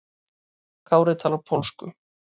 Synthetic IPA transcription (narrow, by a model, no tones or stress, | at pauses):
kʰaːwɾɛt̪ʰaːlapʰowlskʏ̰